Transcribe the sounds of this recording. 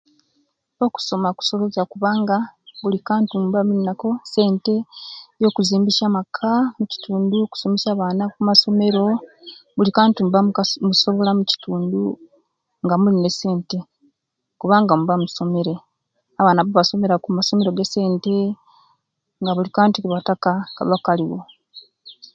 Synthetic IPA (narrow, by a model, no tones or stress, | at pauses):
oku̥so̞maku̥so̞βozakuβaːŋɡaβulikaːntuːmbaminːako̞se̞ːnte̞jo̞ːkuziːmbiʃamakʰamuci̥tʰuːnduku̥so̞mesaːβaːnakumaso̞me̞ɾo̞βulikaːntuːmbammuso̞βo̞lamuci̥tuːndu | ŋɡamuline̞se̞ːnte̞ | kuβaːŋɡamuβamuso̞me̞ɾe̞ | aβaːnaβoβaso̞me̞ɾakumaso̞me̞ɾo̞ɡese̞ːnte̞ | ŋɡaβulikaːntikuβatakaka̰βakaliwo̰